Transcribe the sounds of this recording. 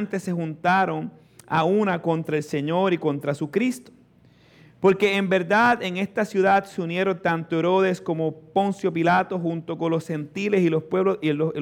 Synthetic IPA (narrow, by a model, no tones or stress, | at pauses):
nt̪e̞se̞xunt̪aɾo̞ŋ | aunako̞nt̪ɾae̞lse̞ɲo̞ɾiko̞nt̪ɾasukɾist̪o̥ | po̞ɾke̞ːmbe̞ɾðaðeŋe̞st̪asjuðad̪seunje̞ɾo̞nt̪ant̪oeɾo̞ðe̞sko̞mo̞po̞nsjo̞pilat̪o̞xunt̪o̞ko̞nlo̞she̞nt̪ile̞silospweβloo